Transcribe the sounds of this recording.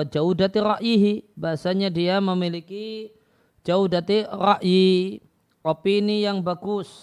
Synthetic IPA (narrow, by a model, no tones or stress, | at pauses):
d͡ʒaudat̪iɾaʔjiɦibaɦasaɲadiaməmiliki | d͡ʒaudat̪iraʔji | opiːnijaŋbaɡʊs